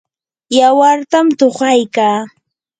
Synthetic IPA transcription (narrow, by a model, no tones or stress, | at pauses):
jawaɾt̪amt̪oχɑjkaː